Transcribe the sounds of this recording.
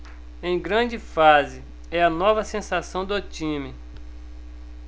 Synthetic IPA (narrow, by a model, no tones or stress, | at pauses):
ẽj̃ɡɾɐ̃d͡ʒɪfazɪ | ɛɐnɔvɐsẽsasɐ̃w̃d̪ot͡ʃĩmɪ